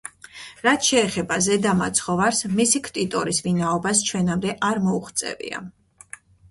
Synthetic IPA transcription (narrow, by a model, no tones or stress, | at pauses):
ɾat̪ʰʃɛːχɛbazɛd̪amat̪sʰχɔvaɾsmisikʰt̪ʼit̪ʼɔɾisvinaɔbast͡ʃʰwɛnamd̪ɛʔaɾmɔuχt̪sʼɛ̰vḭa̰